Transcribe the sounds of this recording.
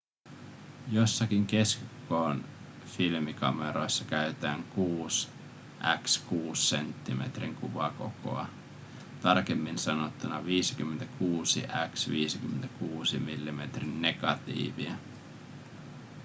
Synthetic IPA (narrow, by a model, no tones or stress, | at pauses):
jo̞sːɑkiŋke̞skkoːn | filmikɑ̰meɾo̞jsːɑkæyt̪æːŋkuːs | ʔækskuːsːe̞nt̪ːimḛt̪riŋkuʋɑko̞̰ko̰ɑ̰ | t̪ɑrkemːinsɑnot̪ːunɑʋiːsi̥k̟ymːent̪ækʰuːsḭʔæksʋiːsikymːent̪ækuːsimilːime̞t̪rinːe̞ɡ̥ɑt̪ḭːʋiæ